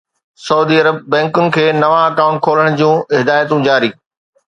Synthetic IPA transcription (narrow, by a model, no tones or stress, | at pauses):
sɐuːd̪iːɐɾəbːɛ̃ːŋkʊnɪ̆kʰeːnɐʋãɐkãːʊ̃ɳʈ̚kʰoːləɽ̃d͡ʑũːɪɦɪd̪aːjət̪ũd͡ʑaːɾiː